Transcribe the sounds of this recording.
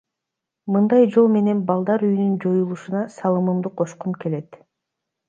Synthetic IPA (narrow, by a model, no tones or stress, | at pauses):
mɯnd̪ɑjd͡ʒo̞lˠme̞ne̞nbɑlˠd̪ɑɾyjynynd͡ʒo̞julˠuʃunɑsɑlˠɯmɯmd̪uqʰo̞ʃqumke̞le̞t̪